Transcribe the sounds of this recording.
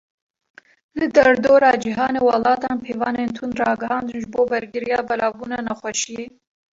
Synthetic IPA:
lɨd̪ɛɾd̪oːɾɑːd͡ʒiɦɑːneːwɑlɑːt̪ɑːnpʰeːvɑːneːnt̪ʰund̪rɑːɡɨɦɑːnd̪ɨnʒɨboːbɛɾɡɨɾijɑːbɛlɑːvbuːnɑːnɛxʷɛʃijeː

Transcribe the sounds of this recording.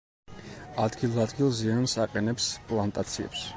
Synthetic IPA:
ad̪ɡilˠad̪ɡilˠziansaqʼɛnɛpspʼlˠant̪ʼat̪sʰiɛ̰ps

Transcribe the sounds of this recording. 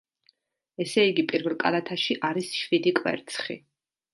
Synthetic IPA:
ɛsɛiɡipʼiɾvɛlˠkʼa̰lat̪ʰaʃiʔaɾisʃvid̪ikʼwɛ̰ɾt̪sʰχḭ

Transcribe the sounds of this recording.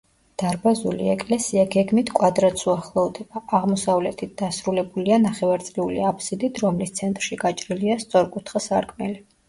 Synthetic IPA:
d̪̥aɾbazulḭɛkʼlɛsiaɡɛɡmit̪ʰkʼwad̪ɾat̪suaχlˠɔvd̪ɛbaaʁmɔsavlɛt̪ʰit̪̚ʰd̪̥asɾulɛbulianaχɛvaɾt̪sʼliulḭapʰsid̪it̪ʰɾɔmlist̪sʰɛnt̪ʼɾʃiɡat͡ʃʼɾiliast̪sʼɔɾkʼut̪ʰχasaɾkʼmɛli

